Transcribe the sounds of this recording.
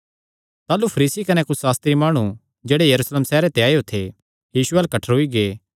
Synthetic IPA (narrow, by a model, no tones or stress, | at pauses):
t̪aːlupʰɐɾiːsikɐnɛkʊt͡ʃʰsaːst̪ɾimaːɽ̃ũ | d͡ʒeːɽejɐɾuːsleːmsɛːɾet̪eaːeot̪ʰe | jiːʃuɛːlkɐʈʰəɾɦʊiɡeː